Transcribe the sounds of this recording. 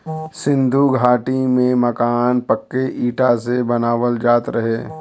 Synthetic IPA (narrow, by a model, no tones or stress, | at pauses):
sɪ̃nd̪ʱuɡʱaːʈimẽmɐkaːnpəkːeʔiːʈasebɐnaːʋəld͡ʒaːt̪ɾɐɦeː